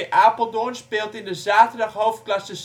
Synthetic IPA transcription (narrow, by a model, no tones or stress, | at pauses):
əʔaːpəl̩ˠdonspɪːlˠtɪndəzaːtədɑχɦowft̚klɑsəs